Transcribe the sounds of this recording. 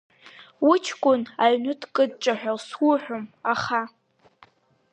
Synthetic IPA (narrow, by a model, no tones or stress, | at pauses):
wut͡ʃʰkʷʼʊnaɥnɨtʰkʼɨd̚ʈ͡ʂʼaħᶣʷaswuħʷᶣʊmaχa